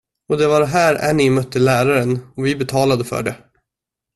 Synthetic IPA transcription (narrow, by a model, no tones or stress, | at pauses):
ɔd̪ɛvaɾɦæːɾæ̰ɳɪmœt̪ːəlæːɾaɾənɔvɪbɛt̪ʰɑːlad̪əfœ̰ːɖɛ